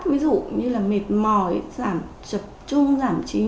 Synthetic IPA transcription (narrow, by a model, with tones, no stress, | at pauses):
tvi˨˦zṵ˧˨ɲɨ˧laː˨˩me˨˩t̚mɔ˨˩jzaː˧˩m | t͡ɕə˨˩p̚t͡ɕʊ˧ŋ͡mzaː˧˩mt͡ɕi˨˦